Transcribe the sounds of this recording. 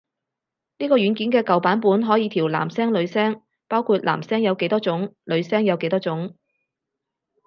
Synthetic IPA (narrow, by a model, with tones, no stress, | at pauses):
niː˥kɔː˧ɥyː˨˧˥nkiː˨˥nkɛː˧kɐ˨wpaː˨˥npuː˨˥nɦɔː˨˥jiː˨˧t̪ʰiː˨˩wla̰ː˨˩msɛː˥ŋlɵ˨˧ɥsɛː˥ŋ | paː˥wkʰuː˧t̚lʔa̰ː˨˩msɛː˥ŋjɐ˨˧wke˨˥jt̪ɔː˥t͡ʃʊ˨˥ŋlɵ˨˧ɥsɛː˥ŋjɐ˨˧wke˨˥jt̪ɔː˥t͡sʊ˨˥ŋ